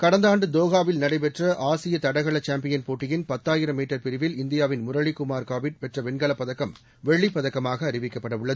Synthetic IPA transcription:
kɐɽɐnd̪aːɳɖɯd̪oːɣaːʋɪlnɐɽɐɪpɛʈrɐʔaːsɪjɐt̪ɐɽɐɣɐɭɐt͡ʃaːmpɪjɐnpoːʈːɪjɪnpɐt̪ːaːjɪɾɐmːiːʈːɐɾpɪɾɪʋɪlɪnd̪ɪjaːʋɪnmʊɾɐɭikːʊmaːɾkaːbɪʈ̚pɛʈrɐʋɛnɡɐɭɐpːɐðɐkːɐm | ʋɛɭːipːɐðɐkːɐmaːɣɐːɾɪʋɪkːɐpːɐɽɐʋɯɭːɐð

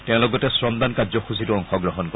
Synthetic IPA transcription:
tɛ̃ʊ̃lɔɡɔtɛsɹɔmd̪ankazɔxusitʊɔŋxɔɡɹɔɦɔnkɔ

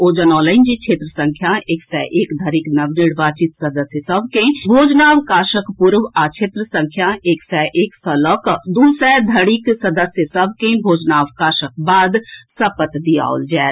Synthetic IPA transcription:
oːd͡ʒənɔːləɪnd͡ʒit͡ʃʰeːt̪ɾəsɐ̃ŋkʰjaeːksɛʔeːkd̪ʱɐɾiknɐʋnɪɽʋaːt͡ʃɪt̪sɐd̪əsjəsɐbʱkẽbʱoːd͡ʒnaːʋkaːʃəkpʊɾʋaːt͡ʃʰeːt̪ɾəsə̃ŋkʰjaeːksɛːʔeːksɐləkd̪uːsɛːd̪ʱɐɽiksɐd̪əsjəsɐbʱkẽbʱoːd͡ʒnaːʋkaːʃək̚baːd̪sɐpət̪d̪ija̰ːo̰ld͡ʒɛː

